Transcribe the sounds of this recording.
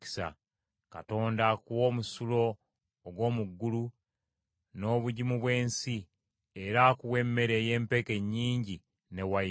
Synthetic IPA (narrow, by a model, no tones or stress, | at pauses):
i̥sa̰ | ka̰to̞ːndakuwo̞ːmusulo̞ː | ɡwo̞ːmuɡːulu | no̞ːβuɟimuβwe̞ːnsi | eɾakuwe̞mːe̞ɾeːje̞ːmpe̞ke̞ɲːiːɲɟi | ne̞wa